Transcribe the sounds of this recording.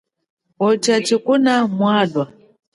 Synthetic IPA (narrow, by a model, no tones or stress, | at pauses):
ɔt͡ʃat͡ʃikunamwaːɗwa